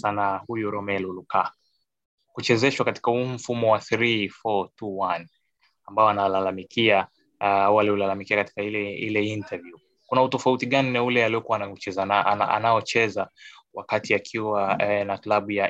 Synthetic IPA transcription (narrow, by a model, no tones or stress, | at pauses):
sanahujuɾɔmɛluluka | kut͡ʃɛzɛʃwakati̥kahum̩fumɔwaθɾifɔtʰuwan | ambaɔanalalamikia | awalɛulalamikiakati̥kailɛḭlɛintʰavju | kunautɔfautiɠanaulɛaliɔkuwaːnaut͡ʃɛzanaana̰a̰najɔt͡ʃɛzawakatiakʰiwanaklaɓuja